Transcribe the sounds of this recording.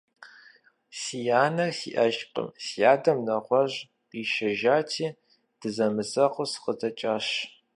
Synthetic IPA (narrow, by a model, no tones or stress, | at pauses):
sijaːnɐsḭʔɐʃqʼə̰msijaːdɐmnɐʁʷɔʑ | qiːʃɐʒaːtʰiː | d̥ɨzɐmɨsɐqʷʊsqədɐt͡ʃʼaːɕ